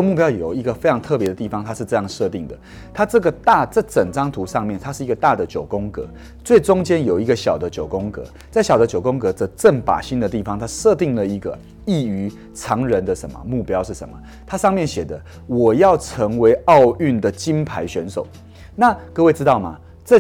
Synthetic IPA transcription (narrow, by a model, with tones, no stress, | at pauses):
mu˥˩p̬jɑ˥ʊjo˨˩ʊi˧˥ɡə˧fe˥ɪʈ͡ʂʰɑ˧˥ŋt̪ʰɤ˥˩pjɛ˧˦d̪ə˨t̪i˥˩fɑ˦ŋt̪ʰa˥ʂ̩˥˧ʈ͡ʂɤ˥˧jɑ˥˧ŋʂɤ˥˧t̪i˥˩ŋd̪ə̰˩ | t̪ʰa˥ʈ͡ʂɤ˥˩ɡə˩t̪a˥˧t͡sɤ˥˩t͡sə˨˩ŋt͡sɑ˥ŋt̪ʰu˨˧˥ʂɑ˥˧ŋmjɛ˥˨nt̪ʰa˥ʂɻ̩˥˩i˧˥ɡə˧t̪a˥˩d̪ə˩t͡ɕjo˨˩ʊkʊ˦ŋkɤ̰˧˦ | t͡swe˥˩ɪt͡sʊ˥ŋt͡ɕjɛ˥njo˨˩ʊi˧˥ɡə˧ɕjɑ˨˩ʊd̪ə˦t͡ɕjo˨˩ʊkʊ˥ŋkɤ̰˧˥ | t͡sa˥˩ɕjɑ˨˩ʊd̪ə˦t͡ɕjo˨˩ʊko˥ŋkɤ˧˦t͡sə˧˥ʈ͡ʂə˥˩npa̰˨˩ɕi˥nd̪ə˨t̪̬i˥˩fɑ˨˦ŋt̪ʰa˥ʂɤ˥˧t̪i˥˩ŋlə˩i˧˥ɡə̰˧ | i˥˩y˧˥ | t͡sʰɑ˧˥ŋɻə˧˦nd̪ə˧ʂə˧˦nmə̰˨˩mu˥˩pjɑ˥ʊʂɻ̩˥˩ʂə̰˧˦nmə̰˩ | t̪ʰa˥ʂɑ˥˧ŋmjɛ˥˨nɕjɛ˨˩d̪ə˦ | wɔ˨˩jɑ˥˩ʊʈ͡ʂʰə˧˥ŋwe˧˥ɪɑ˥˧ʊy˥˩nd̪ə˩t͡ɕi˦˥npʰa˧˥ɪɕɥɛ˧˥nso˨˩ʊ | na˥˨kɤ˥˧we˥˩ɪt͡s̩˥˦t̪ɑ˥˩ʊma̰˩ | t͡sɤ˥˧